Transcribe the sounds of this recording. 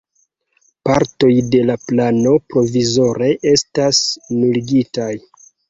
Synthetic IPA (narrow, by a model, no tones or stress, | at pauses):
paɾto̞jde̞laplano̞pɾo̞vizo̞ɾe̞ʔe̞stasnuliɡitaj